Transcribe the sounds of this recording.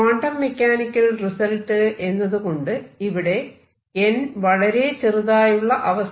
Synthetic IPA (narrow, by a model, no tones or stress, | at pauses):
aːɳɖɐmːe̞kʲːaːnikʲːɐlrisɐlʈːɨʔe̞nːɐðuko̞ɳɖɨiʋiɽe̞ | enʋɐɭɐɾe̞t͡ɕeruðaːjuɭːɐʔɐʋɐs